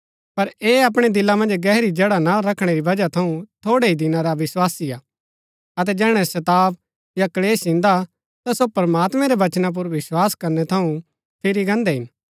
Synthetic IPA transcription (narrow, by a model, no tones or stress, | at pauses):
pɐɾeːɐp̬ɽ̃ed̪ɪlːamɐ̃nd͡ʒɡɛːɦɾid͡ʒeːɽanaɾɐkʰɽ̃eɾibɐd͡ʒat̪ʰɐũt̪ʰoːɽeid̪ɪnãɾaʋɪswaːsiaː | ɐt̪ɛd͡ʒɛːɽ̃ɛ̃sɐt̪aːʋ | jakɐleːsɪ̃nd̪a | t̪asopɐɾɐmaːt̪mɛ̃ɾeʋɐt͡ʃnãp̬ʊɾʋɪswaːskɐɾnɛt̪ʰɐũ | pʰɪɾiɡɐ̃nd̪ɛɦɪn